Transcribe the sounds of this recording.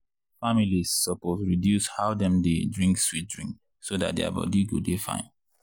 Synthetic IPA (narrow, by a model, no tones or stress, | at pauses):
familissɔposɹidjushaʊdɛ̃mdedɹĩŋkswit̚dɹĩŋk | soda̰t̚dea̰bɔ̰diɡṵdefã̰ɪ̃n